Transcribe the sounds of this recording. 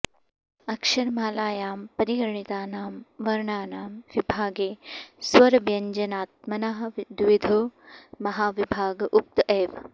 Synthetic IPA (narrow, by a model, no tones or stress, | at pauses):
ɐkʃɐɾmaːlaːjaːmpɐɾiɡɐɾɐɳit̪aːnaːmʋɐɾɳaːnaːmʋibʱaːɡeːswɐɾɐbjɐɲd͡ʒɐnaːt̪̚mɐnɐɦɐd̪ʋid̪ʱoːmɐɦaːʋibʱaːɡʔup̚t̪ʔeːʋ